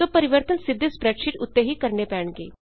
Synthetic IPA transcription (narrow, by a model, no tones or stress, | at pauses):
t̪opəɾiʋəɾt̪ənsid̪ʱːəspɾɛkʂiʈut̪ːeɦiːkəɾɳepɛɳɡḛ